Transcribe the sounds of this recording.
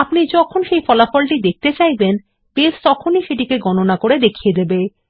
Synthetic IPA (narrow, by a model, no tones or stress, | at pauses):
apnid͡ʑɔkʰonʃejfɔlafɔlʈid̪ek̚ʰt̪et͡ɕajben | pest̪ɔkʰoniʃeʈikeɡɔnonakoɽed̪ekʰied̪ebe